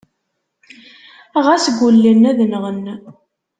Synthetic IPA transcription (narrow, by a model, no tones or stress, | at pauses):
æʁæsɡʷulːinːæðənəʁən